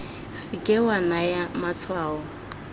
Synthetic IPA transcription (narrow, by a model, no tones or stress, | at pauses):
sɪkʼɛwanajamat͡sʰwaːɔ